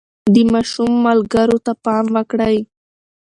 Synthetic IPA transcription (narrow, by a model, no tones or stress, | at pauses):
d̪əmɑʃumːalɡaɾot̪apɑmwəkɽəj